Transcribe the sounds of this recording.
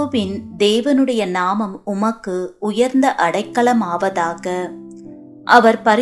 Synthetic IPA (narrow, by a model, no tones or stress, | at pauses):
ʋɪnd̪eːʋɐnɯɽɐjɐnaːmɐmʊmɐkːɯʊjɐɾnd̪ɐʔɐɽɐɪkːɐɭɐmaːʋɐðaːɣɐ | ʔɐʋɐɾpɐɾ